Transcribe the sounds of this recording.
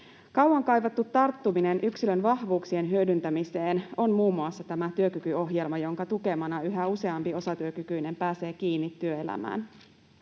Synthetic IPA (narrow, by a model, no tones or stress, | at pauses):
kɑwwɑŋkɑjʋɑt̪ːut̪ːɑrt̪ːumine̞nʔyksilønʋɑhʋuːksie̞nɦyødynt̪æmise̞ːno̞nmuːmːuɑsːɑt̪æmæt̪yøk̟ykyo̞ɦje̞lmɑjo̞ŋkɑt̪uke̞mɑnɑyɦæuse̞ɑmpio̞sɑt̪yøkykyjne̞mpæːse̞ːk̟iːnːit̪ːyøe̞læ̰mæ̰ːn